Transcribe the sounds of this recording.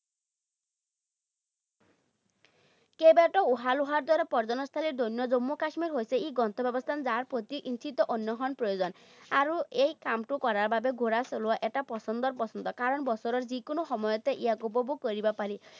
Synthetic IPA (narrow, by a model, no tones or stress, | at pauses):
kebaʈɔuɦaluɦaɾd̪waɾepɔɾd͡ʒɔnɔst̪ʰaliɾd̪onjɔd͡ʒomːukasmiɾɦojseiɡɔnt̪ʰɔbjɔbɔst̪ʰand͡zaɾpɾot̪iʔint͡ʃʰit̪ɔʔonjɔɦɔnpɾɔjod͡zɔn | aɾuejkamʈukɔɾaɾbʱabeɡʱoɾasɔluaʔeʈapɔsɔnd̪ɔɾpɔsɔnd̪ɔkaɾɔnbɔsɔɾɔɾzikonɔxɔmɔjɔt̪eʔiaɡobɔbukɔɾibapaɾi